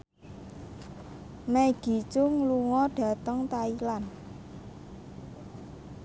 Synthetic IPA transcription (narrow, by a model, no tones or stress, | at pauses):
meɡ̥i̤t͡ʃʊŋluŋɔɖ̥ä̤t̪əŋt̪ailan